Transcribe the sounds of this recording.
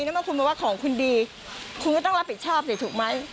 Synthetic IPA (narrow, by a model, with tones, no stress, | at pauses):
na˦˥ma˥˩kʰu˧nmaː˧˩waː˥˩kʰɔː˨˩˦ŋkʰu˧ndiː˧ | kʰu˧nkɔ˥˩ɔ˥˩ŋɾa˦˥pʰːi˨˩t̪̚t͡ɕʰɔː˥˩p̚si˨˩t̪ʰuː˨˩k̚ma˦˥j